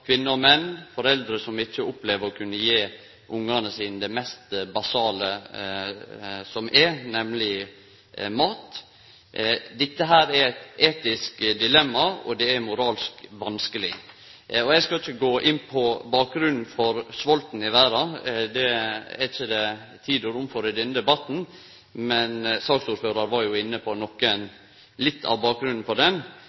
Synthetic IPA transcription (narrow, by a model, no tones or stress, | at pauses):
kʰʋɪnːəɔmɛnːfɔɾɛld̪ɾəsɔmɪçːəʊpleːʋəɾɔkʰʉnːəjeː | ʔʊŋːɑnəsiːnəd̪ɛmɛst̪bɑsɑːlə | sɔmʔɛnɛmlɪ | mɑːt̪ | d̪ɪt̪ːəɦæːɾɛɾɛt̪eːt̪ɪskd̪ɪlɛmːɑɔd̪ɛæɾmʊɾɑːlskʋɑnskəlɪ | ɔæɪskɑɪçːəɡoːʔɪnːpʰɔbɑːk̚ɡɾʉnn̩fɔɾsʋɔlt̪n̩ɪʋæːɾɑd̪ɛɛ̰ɾɪçːəd̪ɛ | t̪ʰiːd̪əɾʊmfɔɾɪd̪ɛnd̪ɛbɑt̪n̩ | mɛnsɑːksuːɾføːɾɑɾʋɑɾjʊɪnːəpʰɔnɔkːən | lɪt̪ʰːɑ̰ʋbɑːk̚ɡɾʉnn̩fɔɖɛn